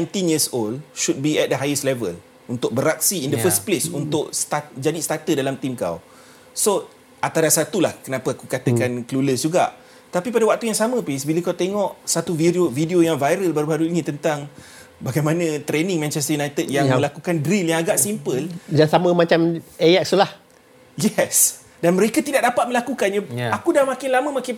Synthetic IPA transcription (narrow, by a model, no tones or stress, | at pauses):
nãjnt̪injisoldʃud̚biɛt̚dəɦajəslɛvəl | unt̪ʊk̚bəɾak̚siːndəfəsplesunt̪ʊʔst̪ad͡ʒadist̪at̪ədalamt̪imka̰w | so | at̪adasat̪ulahkənãpəakukat̪əkankəluləsd͡ʒuɡaʔ | t̪apipadawak̚t̪ujaŋsamə̃pisbiləkawt̪eŋɔʔsat̪uviɾovidiojaŋvajɾəlbaɾubaɾuinĩt̪ənt̪aŋ | baɡajmãnə̃t̪ɾenɪ̃ŋmɛ̃nt͡ʃɛst̪əjunajt̪ədjaŋməlakukandɾiljaŋaɡaʔsimpəld͡ʒaŋsamə̃mãt͡ʃamejak̚slah | jɛs | danməɾekat̪idaʔ̚dapat̪̚mə̃lakukanjaakudahmakɪnlamə̃makɪn